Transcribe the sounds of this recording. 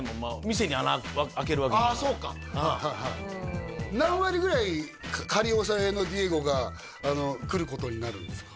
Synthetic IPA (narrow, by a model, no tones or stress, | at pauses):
momamʲis̬e̞ɲ̟ianaaak̬e̞ɾɯ̟akeaso̞ːka̰ | ahaɦa | nãɰ̃βaɾʲiɡɯ̟ɾaikkʰaɾʲios̬aenodʲieɡo̞ɡaː | no̞kɯ̟ɾɯ̟ko̞t̪o̞ɲ̟inaɾɯ̟̃nd̪esɨ̥ḁ